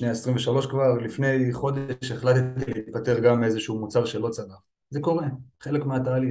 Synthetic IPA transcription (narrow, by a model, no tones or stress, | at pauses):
ʃnejaesʁiɱveʃalo̞ʃkvaʁlifne̞jχo̞d̪eʃeχlat̪t̪ileit̪̚pat̪e̞ʁɡamezeʃuumut͡saʁʃe̞lo̞t͡sada | ze̞ko̞ʁe̞χe̞le̞kmeat̪aːli